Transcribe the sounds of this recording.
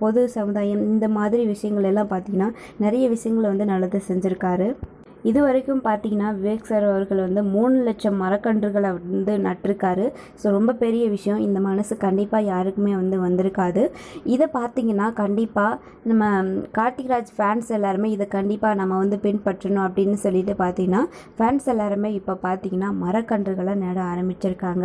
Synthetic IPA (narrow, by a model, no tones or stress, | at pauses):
pɔðɯsɐmɯðaːjɐmɪnd̪ɐmaːðɪɾiʋɪʂɐjɐŋɡɐɭɛlːãːpaːɾt̪iːŋɡɐnːaː | nɛɾɐjɐʋɪʂɐjɐŋɡɐɭʋɐnd̪ɯnɐlːɐðɯsɛɲd͡ʒɪɾɯkːaːɾɯ | ɪðɯʋɐɾɐkːɯmpaːɾt̪iːŋɡɐnːaːʋɪɐksɐɾɐʋɐɾɣɐɭʋɐnd̪ɯmuːɳɯlɛʈt͡ʃɐmːɐɾɐkːɐɳɖrɯɣɐɭɐnd̪ɯnɐʈːɪɾɯkːaːɾɯ | soːɾɔmbɐpɛɾɪjɐʋɪʂɐjɔ̃ɪnd̪ɐmɐnɐsɯkɐɳɖɪpːaːjaːɾɯkːɯmeːʋɐnd̪ɯʋɐnd̪ɪɾɯkːaːðɯɪðɐpaːɾt̪iːŋɡɐnːaːkɐɳɖɪpːaː | nɐmːɐkaːʈːɪɣɪɾaːd͡ʒfaːnsɛlːaːɾɐmeːɪðɐkɐɳɖɪpːaːnɐmːɐʋɐnd̪ɯpɪnpɐʈːɾɐnʊ̃ɐp̬ːɐɽɪnːɯsɔlːɪʈːɯpaːɾt̪iŋɡɐnːaː | faːnsɛlːaːɾɐmeːɪpːoːpaːɾt̪iːŋɡɐnːaːmɐɾɐkːɐɳɖɾɯɣɐɭɐ̃neːɽɐaːɾɐmbɪt͡ʃːɪɾɯkːaːŋɡɐ